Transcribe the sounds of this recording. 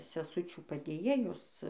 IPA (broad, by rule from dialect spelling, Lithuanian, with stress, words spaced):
sʲɛˈsʊt͡ʃʲuː pɐdʲeːˈjeːjoːs